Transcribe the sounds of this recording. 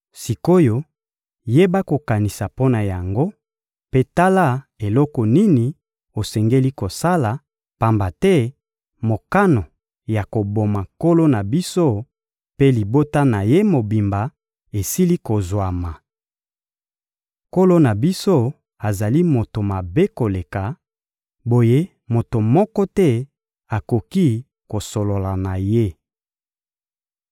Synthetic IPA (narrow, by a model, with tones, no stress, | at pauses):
si˨ko˦jo˨ | je˦ba˦ko˨ka˨ni˨sa˨po˦na˨ja˨ŋɡo˦ | pe˦ta˦la˦e˨lɔ˦kɔ˨ni˦ni˨ | o˨sɛ˨ŋɡe˦li˦ko˨sa˦la˨ | pa˨mba˨tɛ˦ | mo˨ka˦no˨ | ja˨ko˨bo˨ma˨ko˦lo˦na˨bi˦so˦ | pe˦li˨bo˦ta˦na˨je˦mo˨bi˨mba˨ | e˨si˦li˦ko˨zwa˨ma˨ | ko˦lo˦na˨bi˦so˦ | a˨za˨li˦mo˨to˨ma˨be˦ko˨le˨ka˨ | bo˨je˦ | mo˨to˨mɔ˦kɔ˦tɛ˦ | a˨ko˨ki˦ | ko˨so˨lo˨la˨na˨je˦